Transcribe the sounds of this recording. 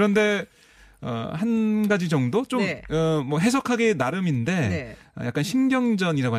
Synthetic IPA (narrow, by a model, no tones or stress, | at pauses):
ɾʌnde̞ | ʌ̰hanɡad͡ʑid͡ʑʌŋdot͡ɕomʌmwʌɦe̞s̬ʰʌkʰaɡe̞naɾɯminde̞ʌ̰jak͈anɕʰinɡjʌŋd͡ʑʌɲiɾaɡoa